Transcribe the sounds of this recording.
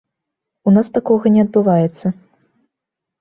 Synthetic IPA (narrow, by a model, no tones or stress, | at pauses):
unast̪akɔɣɐnʲɛɐd̪̚bɨvajɛt̪sːɐ